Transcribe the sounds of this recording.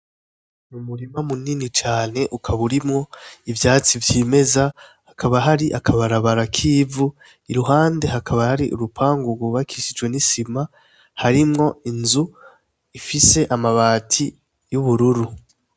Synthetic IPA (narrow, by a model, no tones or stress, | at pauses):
numuɾimamuninit͡ʃaːne̞ʔukʰaβuɾimŋo̞ivjaːt͡sivjiːme̞zahakʰaβaɦaɾiʔakʰaβaɾaβaɾakʰiːvu | iɾuɦaːnde̞hakʰaβahaɾiʔṵɾupʰaːŋɡuɡuβakʰiʃid͡ʒwe̞nisima | haɾimŋo̞inzu | ifise̞ʔamaβaːtʰi | juβuɾuɾu